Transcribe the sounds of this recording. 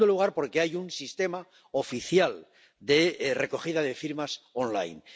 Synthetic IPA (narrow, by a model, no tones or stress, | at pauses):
d̪oluɣ̞aɾpo̞ɾke̞ajunsist̪e̞ma | o̞fiθjal | d̪e̞re̞ko̞χiðaðe̞fiɾmasonla̰jn